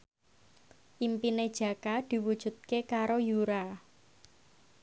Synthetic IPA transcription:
ʔimpined̥ʒ̥ä̤kad̪̥i̤wud̥ʒ̥ṳt̪̚kekaɾojuɾa

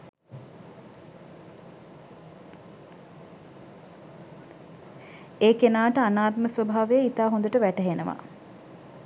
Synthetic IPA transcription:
eːkenaːʈəanaːt̪məsʋobʱaːʋejəit̪aːɦond̪əʈəʋæʈəɦenəʋa̰

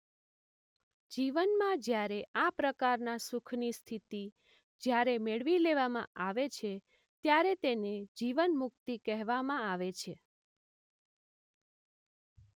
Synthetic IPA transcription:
d͡ʒiʋənmãd͡ʒjaɾeapɾəkaɾnasukʰnist̪ʰit̪i | d͡ʒjaɾemeɭʋileʋamã̰ʔaʋet͡ʃʰe | t̪jaɾet̪ened͡ʒiʋənmʊk̚t̪ikɛɦʋamãaʋet͡ʃʰe

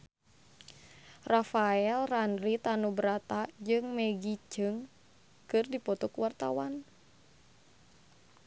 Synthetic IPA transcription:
rafaɛlranrit̪anubəɾat̪ad͡ʒɨŋmɛɡid͡ʒɨŋ | kɨrdipɔt̪ɔkuwart̪awan

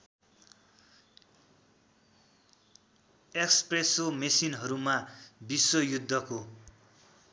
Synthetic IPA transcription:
ekspresomesinɦʌɾumabiswʌjud̪ʱːʌko

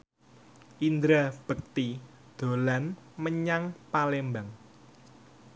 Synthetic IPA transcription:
ʔind̪ɾab̥ək̚t̪i | d̪̥o̤lanməɲaŋpalembaŋ

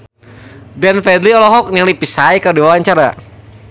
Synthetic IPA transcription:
danfɛdliɔlɔɦɔk̚naŋlipisaikadiwawaɲt͡ʃaɾa

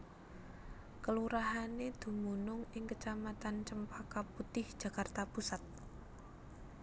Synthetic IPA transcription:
kəluɾaɦaned̪̥ṳmunʊŋɪŋkət͡ʃamat̪ant͡ʃəmpakaput̪ɪhd̥ʒ̥ä̤kart̪apusat̪̚

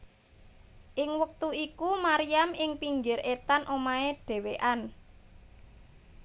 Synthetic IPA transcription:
ʔɪŋwək̚t̪uikumaɾijamɪŋpiŋd͡ʒɪɾet̪anʔomaeɖ̥e̤weʔan

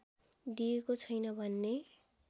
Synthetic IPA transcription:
d̪iekot͡sʰʌjnʌbʱʌnːe

